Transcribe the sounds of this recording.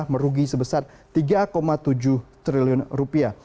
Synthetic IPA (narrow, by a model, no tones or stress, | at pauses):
hməɾuɡisəbəsar | t̪iɡakomat̪ud͡ʒʊht̪ɾiliʊnrupia